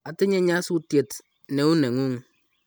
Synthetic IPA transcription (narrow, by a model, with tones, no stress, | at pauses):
a˨tɪ˦ɲe˦ɲa˦su˦tje˨t | ne˨u˦ne˨ŋu˦ŋ